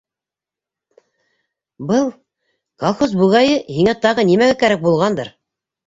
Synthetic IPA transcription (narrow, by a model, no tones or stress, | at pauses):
bɤlˠ | kolˠχos̬buʁɑjɤhiŋæt̪ɑʁɤnimæɡækæɾæk̚bulˠʁɑnd̪ɤɾ